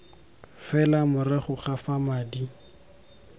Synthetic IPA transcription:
fɛlamʊrɪχʊχafamaːdi

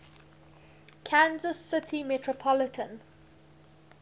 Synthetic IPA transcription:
kʰãnzəsːɪtʰimɛtʰɹəpʰɔlɪtʰə̃n

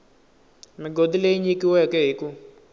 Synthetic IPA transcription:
miɡod̪ileiɲikiwɛkɛɦiku

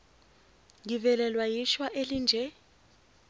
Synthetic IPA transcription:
ŋivɛlɛlwajiʃwaʔelind͡ʒʱɛ

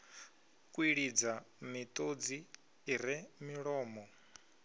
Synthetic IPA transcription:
kʼwiɺid͡zamit̪ʼod͡ziː | ɾimiɺɔːmɔ

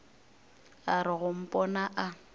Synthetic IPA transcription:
aɾɪɣʊm̩pʼɔnaʔa

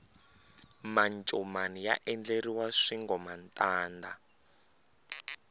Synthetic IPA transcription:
mant͡ʃʼɔmanija̰ʔɛnd͡ɮeɾiwaʂiŋɡɔmantʼaːnda

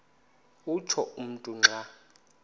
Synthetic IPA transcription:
ut͡ʃʰɔum̩tʼuŋ͡ǁʱa

